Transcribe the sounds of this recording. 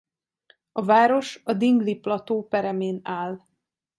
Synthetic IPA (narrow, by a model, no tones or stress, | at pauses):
ɒvaːɾo̞ʃɒd̪iŋɡliplɒt̪oːpɛɾɛmeːnaːl